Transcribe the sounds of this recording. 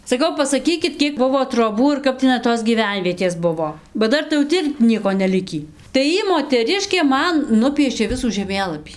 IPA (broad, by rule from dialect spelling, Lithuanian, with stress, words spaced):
sɐˈkɐʊ pɐsɐˈkʲiːkʲɪt ˈkʲiɛk ˈbʊʋoː troːˈbuː ɪr ˈkɐp tʲɪˈnɐɪ toːs ɡʲiːˈʋʲɛnʲʋʲiɛtʲeːs ˈbʊʋoː bɐ ˈdɐr tɐɪ jɛʊ ˈtʲɪ ɪr ˈnʲiɛkoː nʲɛˈlʲɪkʲiː tɐɪ ˈjiː moːtʲɛˈrʲɪʃʲkʲeː ˈmɐn ˈnʊpʲiɛʃʲeː ˈʋʲɪsuː ʒʲɛˈmʲeːlˠɐpʲiː